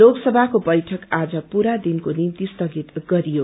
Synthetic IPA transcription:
loɡsʌbʱakobʌjʈʰʌkad͡zʌpuɾad̪inkonimt̪ist̪ʌɡit̪ɡʌɾijo

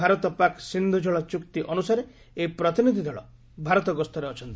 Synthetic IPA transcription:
aɾɔt̪ɔpaksind̪ʱud͡ʒʱɔɭɔt͡ʃukt̪iʔɔnusaɾe | epɾɔt̪inid̪ʱid̪ʱɔɭɔ | bʱaɾɔt̪ɔɡɔst̪ʰɔɾeɔt͡ʃʰɔnt̪i

